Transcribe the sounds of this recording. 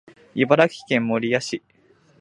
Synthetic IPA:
ibaɾakʲi̥kẽ̞mmoɾʲijaɕi

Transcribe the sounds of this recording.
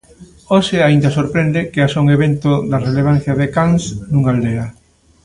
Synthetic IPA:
oʃɪaind̪asoɾpɾend̪ekeasoŋeβent̪oðareleβ̞an̟θjaðekaŋsnuŋald̪ea

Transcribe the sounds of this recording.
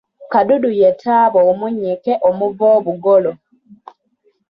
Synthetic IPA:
kadudujetʰaːβoːmuɲːikeʔomuvoːβuɡolo

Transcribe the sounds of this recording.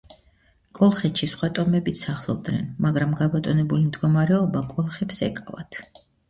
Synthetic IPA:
kʼɔlˠχɛt̪ʃisχwat̪ʼɔmɛbit̪sʰaχlˠɔb̚d̪nɛ̰nmaɡɾamɡabɔt̪ʼɔnɛbulimd̪ɡɔmaɾɛɔbakʼɔlˠχɛpsɛ̰kʼava̰t̪ʰ

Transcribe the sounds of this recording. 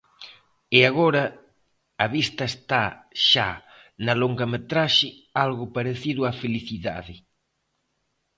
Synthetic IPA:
ɪaɣoɾɐː | βist̪ɐest̪aʃa̰ | nɐloŋɡɐmet̪ɾaʃɪ | alɣʊpaɾeθiðʊafeliθiða̰ðɪ

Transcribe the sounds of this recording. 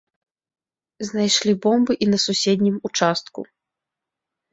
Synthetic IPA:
znajʂlʲibɔmbɨʔinɐsusʲɛd̪ʲnʲimut͡ʂast̪̚kṵ

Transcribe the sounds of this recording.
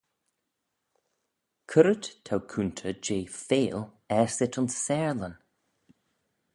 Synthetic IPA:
kʰəɾəttʰawkʰuːnt̪ʰəd͡ʒeːfeːl | ɛɹsɪt̪ʊnsːɛːɹlən

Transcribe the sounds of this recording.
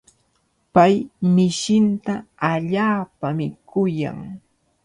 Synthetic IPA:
pajmɪʃɪnt̪aːʎaːpamɪkʊja̰ŋ

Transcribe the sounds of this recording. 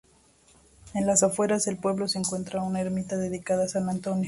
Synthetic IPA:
enlasafwe̞ɾase̞lpwe̞βlo̞seeːŋkwe̞nt̪ɾaunaeɾmit̪aðe̞ðikaðasanant̪o̞njo

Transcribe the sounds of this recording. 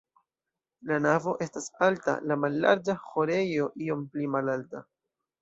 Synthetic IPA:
lanavo̞ʔe̞stasalta̰lamalːa̰ɾd͡ʒaxo̞ɾe̞jo̞ʔio̞mplimalalta

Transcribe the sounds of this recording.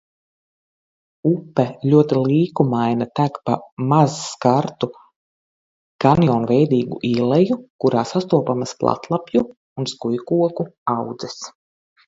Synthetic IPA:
upːɛlʲuɔt̪ilˠiːkumajnat̪ækpamazskaɾt̪u | kanjɔːnvɛjd̪iːɡṵʔilˠɛjukuɾaːsast̪uɔpamasplˠa̰t̪lˠapju | unskujkuɔkuawd̪zɛs

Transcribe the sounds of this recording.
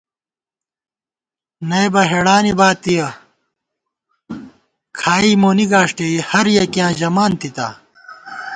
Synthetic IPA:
nɐjbɐɦeɽaːnibaːt̪ːijɐ | kʰaːimoːniɡaːʂʈeihɐɾjɐkijãːʑɐmaːnt̪it̪a̰

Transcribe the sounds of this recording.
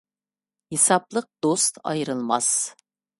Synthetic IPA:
hesɑplˠəq̚d̪ost̪ɑ̰jɾɨlˠmɑs

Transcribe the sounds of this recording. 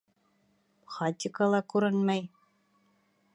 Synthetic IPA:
χɑt̪ʲɪkɑlˠɑkʉɾɘnmæj

